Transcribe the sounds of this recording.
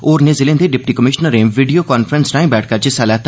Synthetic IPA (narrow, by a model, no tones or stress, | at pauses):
oːɾnẽzɪlẽːnd̪eɖɪp̚ʈikəmɪʃnəɾẽʋiɖijoːkaːnfʰɾənsʈaːɪ̃mbɛːʈʰkəɾd͡ʒɪsalɛːt̪